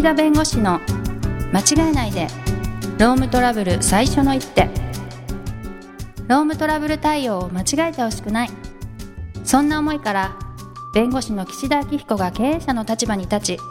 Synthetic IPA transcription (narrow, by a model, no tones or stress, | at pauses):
id̪abẽ̞ŋɡo̞ɕino̞ | mat͡ɕiɡaenaid̪e̞ɾo̞ːmɯ̟t̪o̞ɾabɯ̟ɾɯ̟saiɕo̞no̞it̪ːe̞ | ɾo̞ːmɯ̟t̪o̞ɾabɯ̟ɾɯ̟t̪aio̞ːmat͡ɕiɡaet̪eho̞ɕi̥kɯ̟nai | sõ̞nːaomo̞ikaɾa | b̥ẽ̞ŋɡo̞ɕino̞kʲi̥ɕid̪akʲiçi̥ko̞ɡake̞ːẽːɕano̞t̪at͡ɕibaɲ̟it̪at͡ɕi